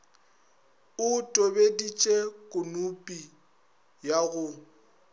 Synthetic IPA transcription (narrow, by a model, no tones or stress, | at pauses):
ʊtʼobedit͡ʃʼekʼʊnupʼi | jaɣʊ